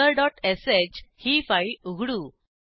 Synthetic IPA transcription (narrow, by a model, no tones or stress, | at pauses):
əɾɖɔʈeset͡ɕhifajuɡʱɽu